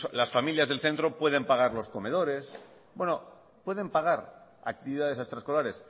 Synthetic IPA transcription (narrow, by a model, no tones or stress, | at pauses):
lasfamiljazðe̞lθe̞nt̪ɾo̞pwe̞ð̞e̞mpaɣ̞aɾlo̞sko̞me̞ð̞o̞ɾe̞s | bwe̞no | pwe̞ðe̞mpaɣ̞aɾa̰k̚t̪iβiðaðesast̪ɾaesko̞laɾe̞s